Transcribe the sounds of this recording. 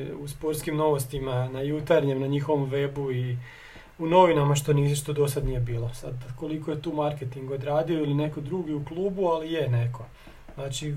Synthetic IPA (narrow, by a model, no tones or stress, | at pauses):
uspo̞ɾt̪skimno̞ʋost̪imanajut̪aɾɲemnaɲixo̞ʋomʋebui | uno̞ʋinamaʃt̪o̞niʃt̪od̪o̞sad̪nije̞biːlo̞sa̰d̪ko̞likojet̪uːmaɾket̪iŋɡo̞d̪ɾaːd̪io̞iline̞ko̞d̪ɾuːɡiuklˠuːbualijene̞kʰo̞ | znaːt͡ʃi